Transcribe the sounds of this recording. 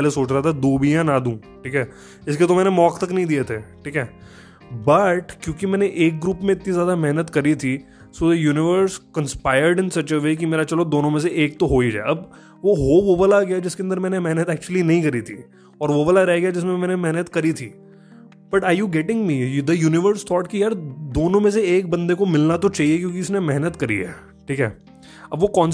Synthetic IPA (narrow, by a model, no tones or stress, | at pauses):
ɛlesoːt͡ʃɾaɦat̪ʰad̪uːbijãnad̪ũː | ʈʰiːkɦɛː | ɪsket̪omɛːnemɔːkt̪ɐknɐɦĩd̪iet̪ʰeːʈʰiːkɦɛː | bɐʈkjõːkimɛːneʔeːk̚ɡɾuːpmẽɪt̪nizjaːd̪amɛɦnət̪kɐɾit̪ʰi | soːd̪əjuːnɪʋəɾskɐ̃nspaːɪəɾɖɪ̃nsɐt͡ʃəʋeːk̬imeːɾat͡ʃɐlod̪oːnõmẽs̬eʔeːk̚t̪oɦoːid͡ʒa̰ːeʔɐb | ʋoɦoʋobəlaɡɐjad͡ʒɪskeɐ̃nd̪əɾmɛːnemɛɦnət̪ɛːk̚t͡ʃuəlinɐɦĩkɐɾit̪ʰḭː | ɔːɾʋobɐlaɾɛɦɡɐjad͡ʒɪsmẽmɛːnemɛɦnət̪kɐɾit̪ʰiː | b̥ɐʈaːɾjuːɡɛːʈɪ̃ŋɡmid̪əjuːnɪʋəɾst̪ʰɔːʈkijaːɾd̪oːnõmẽs̬eeːk̚bɐ̃nd̪ekomɪlnat̪ot͡ʃaːɦiekjõːk̬iɪsnemɛɦnət̪kɐɾḭɦɛ̰ː | ʈʰiːkɦɛ̰ː | ɐbʋokɔ̃ːns